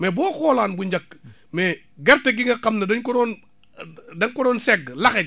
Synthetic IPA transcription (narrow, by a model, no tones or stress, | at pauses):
mɛbɔːxɔːlaːnbuɲd͡ʒɐkː | mɛː | ɡɛɾtɐɡiŋɡɐkɐmnɐdɐɲkɔdɔːn | dɐŋkɔdɔːnsɛɡːlɐxɐ